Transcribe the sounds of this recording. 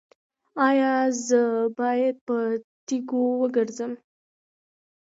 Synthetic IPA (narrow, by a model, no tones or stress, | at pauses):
ɑjɑzəbɑjad̪̚pət̪iɡowəɡəɾzəm